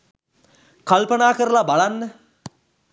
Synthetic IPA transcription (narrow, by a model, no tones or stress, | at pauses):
kalpənaːkəɾəlabalanːə